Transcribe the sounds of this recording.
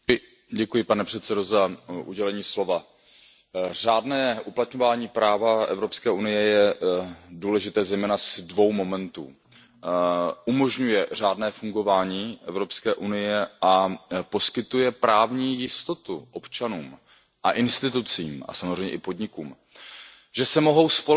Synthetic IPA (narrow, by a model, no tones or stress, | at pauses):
ɟɛkujɪpanɛpr̥ɛt̪sɛdo̞zaʔuɟɛlɛɲiːslo̞va | raːdnɛːʔuplat̪ɲo̞vaːɲiːpɾaːvaɛ̰vɾo̞pskɛːʔunɪjɛjɛ | duːlɛʒɪt̪ɛːzɛjmɛːnasdvo̞wmo̞mɛnt̪ṵː | ʔumo̞ʒɲujɛr̝aːdnɛːfuŋɡo̞vaːɲiːʔɛvɾo̞pskɛːʔunɪjɛapo̞skɪt̪ujɛpɾaːvɲiːjɪst̪o̞t̪uʔo̞pt͡ʃanuːm | ʔa̰ʔɪnst̪ɪt̪ut͡sḭːmʔa̰samozrɛjɲɛʔɪpo̞dɲɪkuːm | ʒɛsɛmo̞ɦo̞wspo